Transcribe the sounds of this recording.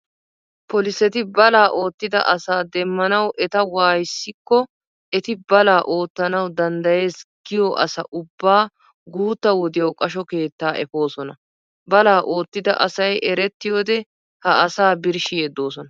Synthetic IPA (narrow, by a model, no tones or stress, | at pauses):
pɔlɪsɛt̪ɪbɐlaːʔo̞ːt̪ːɪd̪ɐ̰ʔɐsaːd̪ɛmːɐnɐwʔɛt̪ɐwaːjsːɪkːɔ | ɛt̪ɪbɐlaːʔo̞ːt̪ːɐnɐwd̪ɐnd̪ɐje̞ːsɡ̥ɪjɔʔɐ̰sɐ̰ʔʊbːaː | ɡuːt̪ːɐwɔd̪ɪjɐwkʼɐʃɔke̞ːt̪ːaːʔɛfo̞ːsɔnɐ | bɐlaːʔo̞ːt̪ːɪd̪ɐ̰ʔɐsɐjʔɛɾɛt̪ːɪjo̞ːd̪ɛ | hɐɐsaːbɪɾʃɪjeːd̪o̞ːsɔnɐ